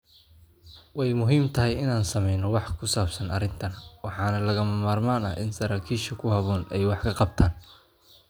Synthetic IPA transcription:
wɛjmʊɦiːmt̪ʰɐɦɛjɪnaːnsɐmɛjnɔwɑħkʰʊsaːbsɐnɐ̰rɪnt̪ʰɐnwɑħɑːnɐlɐɣɐmɐmaːrmaːnɐ̰ʔɪ̰nsɐɾaːkʰiːʃɐkʰʊhɐβɔːnɛjwɑħkʰɐqɑb̚t̪ʰaːn

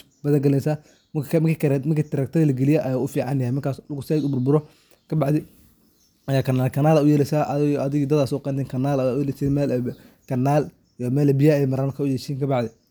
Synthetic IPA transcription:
bɐðɐŋɡɐlɛnsaː | mmkʰiːkmɐkʰiːt̪ʰɐɾɐkt̪ʰɐɣɐlɐɡɛlɪjɛʔɐjaːʊfiːʕɑ̰njɐhɛjmɪkʰaːslɣʊsɛd̪ʊbʊrbʊɾɔ | kʰɐbɑʕd̪ɪ | ɐjaːkʰɐnːaːlkʰɐnaːlaʊjɛlɛsaːʔɐðɪɣd̪ɐd̪aːsɔːqɛːnt̪ʰɛːŋkʰɐnaːlaajɛlɛsɛːmɛːl | kʰɐnːaːl | mɛːlɛbɪjaɛmɐɾankʰɐʊjɛʃiːnkʰɐbɑʕdðɪ

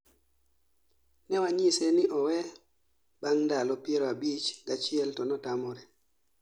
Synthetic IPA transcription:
nɛwaɲisɛniʔɔwɛ | baŋndalɔpɪɛɾɔabit͡ʃɡat͡ʃiɛltɔnɔtamɔɾɛ

